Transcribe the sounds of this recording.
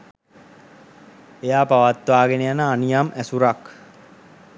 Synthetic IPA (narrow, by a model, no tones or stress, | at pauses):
ejaːpaʋat̪ːʋaːɡenejanəanijamʔæsuɾak